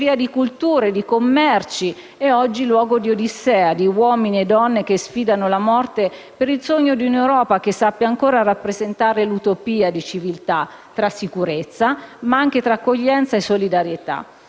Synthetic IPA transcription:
viːad̪ikult̪uːɾed̪ikomːɛrt͡ʃi | ɛɔd͡ʒːilwɔːɡod̪iod̪isɛːad̪iwɔːminied̪ːɔnːekesfiːd̪anolamɔrt̪e | peɾilsoɲːod̪iunewɾɔːpakesːapːjaːŋkoːɾarapːɾezent̪aːɾelut̪opiːad̪it͡ʃivilt̪at̪ːɾasːikuɾet̪sːamaaŋk̟et̪ɾaːkːoʎːɛnt̪saesːolid̪aɾjet̪a̰

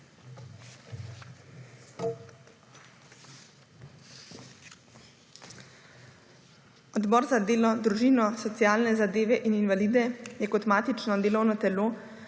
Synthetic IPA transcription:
ɔd̪bɔːɾzad̪eːlɔd̪ɾuʒiːnɔsɔt̪sijaːlnɛzad̪eːʋɛʔininʋaliːd̪ɛjɛkɔt̪maːt̪it͡ʃnɔd̪eːlɔwnɔt̪ɛloː

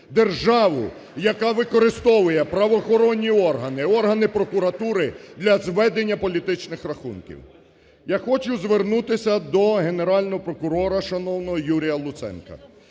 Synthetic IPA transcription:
d̪erʒɑʋʊ̰ | jɐkɑʋɪkɔɾɪst̪ɔʋʊjɛpɾɐʋɔxɔɾɔnʲːiɔrɦɐnɪɔrɦɐnɪpɾɔkʊɾɐt̪uɾɪd̪lʲɐzʋɛd̪enʲːɐpɔlʲit̪ɪt͡ʃnɪxrɐxṵnkʲḭw | jaxɔt͡ʃʊzʋernut̪ɪsʲɐd̪ɔɦe̞ne̞ɾɑlʲnɔɦɔpɾɔkʊɾɔɾɐʃɐnɔwnɔɦɔjuɾʲijɐlˠʊt̪sɛ̰nkɐ̰

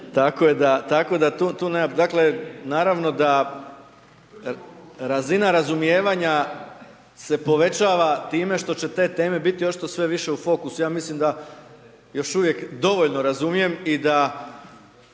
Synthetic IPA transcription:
t̪akojed̪at̪ako̞ed̪at̪ut̪uːned̪akle̞naːɾaʋno̞d̪a | ɾazinaɾazumijeːʋaɲa | se̞po̞ʋe̞t͡ɕaːʋat̪iːme̞ʃt̪o̞t͡ɕe̞t̪e̞t̪e̞ːme̞bit̪io̞t͡ʃi̥t̪osʋe̞ʋiʃe̞ufo̞kusujaːmislimd̪a | jo̞ʃuʋje̞kd̪o̞ʋo̞ʎnoɾazumije̞mid̪a

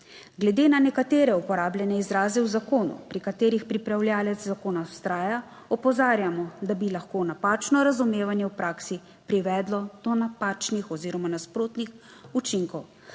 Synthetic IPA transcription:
ɡlɛd̪eːnanɛkat̪eːɾɛupɔɾaːbljɛnɛizɾaːzɛwzakoːnṵpɾikat̪eːɾixpɾipɾawljaːlɛt̪zzakoːnast̪ɾaːja | ɔpɔzaːɾjamɔd̪abilaxkoːnapaːt͡ʃnɔɾazumeːʋanjɛwpɾaːksi | pɾiʋɛːd̪lɔd̪̥ɔnapaːt͡ʃnixɔziːɾɔmanaspɾoːt̪nix | ut͡ʃiŋkɔw

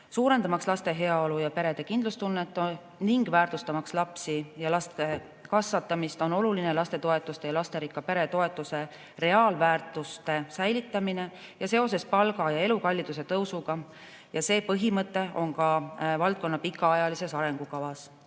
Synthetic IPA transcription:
suːɾe̞nd̪̥ɑmɑkslɑst̪e̞ɦe̞ɑo̞lujɑpe̞ɾe̞d̪̥e̞kind̪lust̪unːet̪ːˑo | niŋɡ̥væːrt̪ust̪ɑmɑkslɑpsijɑlɑst̪e̞ | kɑsvɑt̪ːˑɑmist̪o̞no̞luline̞lɑst̪e̞t̪o̞e̞t̪ːˑust̪e̞jɑlɑst̪e̞ɾikːˑɑpe̞ɾe̞t̪o̞e̞t̪ːˑuse̞ | re̞ɑːlvæːrt̪ːˑust̪e̞sæjlit̪ːˑɑmine̞ | jɑse̞o̞se̞spɑlɡɑjɑe̞lukɑlʲːid̪̥us̬e̞t̪ɤwsuɡ̥ɑ | jɑse̞ːpɤɦimɤt̪ːˑe̞ʔo̞ŋkɑvɑlt̪̚ko̞nːɑpikːˑɑɑjɑlise̞sɑɾe̞ŋɡ̥ukɑvɑs

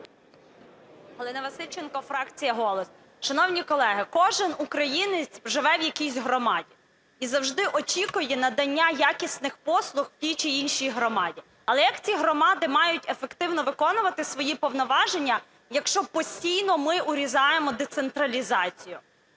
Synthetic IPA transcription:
ɦɔlˠɪnɐʋɐsɪt͡ʃenkɔfɾɑkt͡sʲijɐɦɔlˠɔs | ʃɐnɔwnʲijkɔlˠɛɦɪkɔʒɪnukɾɐjinɪt͡sʲʒɪʋɛwjɐkʲisʲɦɾɔmɑdʲi | izɐwʒd̪ɪʔɔt͡ʃʲikʊjɛnɐd̪ɐnʲːajakʲisʲnɪxpɔslˠʊxw̥tʲijt͡ʃiinʃijɦɾɔmɑdʲi | ɐlˠɛjɐkt͡sʲiɦɾɔmɑd̪ɪmɑjʊtʲefekt̪ɪwnɔʋɪkɔnʊʋɐt̪ɪsʋɔjipɔwnɔʋɑʒenʲːɐ | jɐkʃt͡ʃɔpɔsʲtʲijnɔmɪʔʊɾʲizɑjemɔd̪et̪sent̪ɾɐlʲizɑt͡sʲijʊ

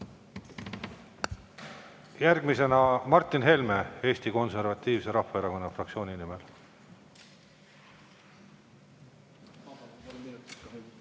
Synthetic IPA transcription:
jærɡ̥mise̞nɑmɑrt̪ːˑinɦe̞lme̞e̞ːst̪iko̞nse̞rvɑt̪ˑːiːvse̞ɾɑhːɑeɾɑko̞nːɑfrɑk̪̚sio̞ːnʲinimel

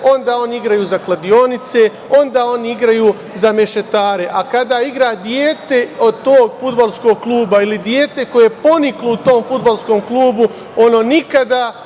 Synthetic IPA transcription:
o̞nd̪aːo̞niiɡɾajuːzaklˠad̪io̞nit̪se̞ | o̞nd̪aːo̞niiɡɾajuː | zameʃe̞t̪aːɾe̞ʔakad̪aːiɡɾaːd̪jeːt̪e̞od̪̚t̪oːɡfud̪balˠskoɡ̚klˠuːbailid̪jeːt̪e̞ko̞jepo̞niklout̪o̞ːmfud̪balˠsko̞ːmklˠuːbu | o̞no̞ːnikad̪a

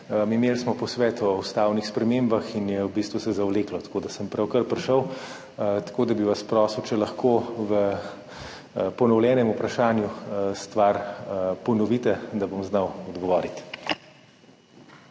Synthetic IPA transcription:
mimeːlsmɔpɔsʋɛːt̪ɔust̪aːwnixspɾɛmeːmbaxinjɛwbiːst̪ʋusɛzawleːklɔt̪ḁkoːd̪asəmpɾawkəɾpɾɛʃəw | t̪ḁkoːd̪abiʋɐspɾɔːswt͡ʃɛlɐxkoːʋə | pɔnɔwlʲjɛːnɛmupɾaʃaːnjust̪ʋaɾpɔnɔʋiːt̪ɛd̪abomznawɔd̪ɡɔʋɔːɾit̪

